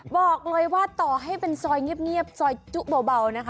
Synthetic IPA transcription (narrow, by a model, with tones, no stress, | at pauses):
bɔː˨˩k̚lɤː˧jwaː˥˩t̪ɔː˨˩ɦa˥˩jpe˧nsɔː˧jŋi˦˥˩əp̚ŋi˥˩əp̚sɔː˧jt͡ɕu˦˥ʔ̚boː˧wba˧wna˦˥kʰ